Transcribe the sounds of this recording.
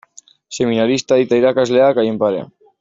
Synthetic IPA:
seminaɾist̪aðit̪ajɾakazleakajempaɾea̰

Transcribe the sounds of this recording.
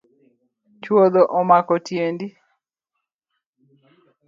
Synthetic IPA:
t͡ʃwod̪ɔʔɔmakɔtjendi

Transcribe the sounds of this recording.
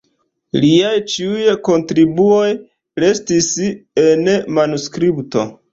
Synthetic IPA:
liajt͡ʃiujko̞ntɾibuo̞j | ɾe̞stise̞nmanuskɾipto̞̰

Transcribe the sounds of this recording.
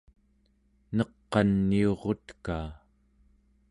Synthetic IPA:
nʌqːɑnːio̞ʁo̞t̪kaː

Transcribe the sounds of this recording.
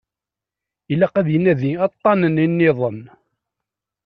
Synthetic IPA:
ilːæqæðjənæðiɑt̪ˤːɑnəninːɪðˤən

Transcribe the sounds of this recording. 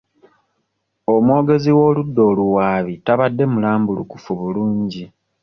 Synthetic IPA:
o̞mwo̞ːɡe̞ziwo̞ːludːo̞ːluwaːβitaβadːe̞mulaːmbulṵkufuβuluːɲɟi

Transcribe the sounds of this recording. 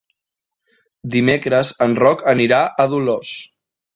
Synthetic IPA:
d̪imekɾəzənrɔkəniɾaʔəðulos

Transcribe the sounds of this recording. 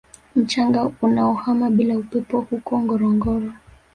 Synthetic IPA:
m̩t͡ʃaŋɡaunaɔhamaɓilaupɛpɔhukɔŋɡɔɾɔŋɡɔɾɔ

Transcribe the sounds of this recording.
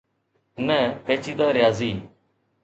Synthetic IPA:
nɛ̃ːpeːt͡ʃʰiːd̪aːɾɪjaːziː

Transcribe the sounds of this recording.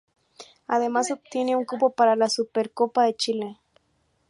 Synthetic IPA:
aðemasop̚t̪iniuŋkupopaɾalasupeɾkopaðet͡ʃile

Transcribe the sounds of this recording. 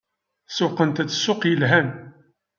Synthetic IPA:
sʊqənt̪æt͡sːsʊqjəlɦæn

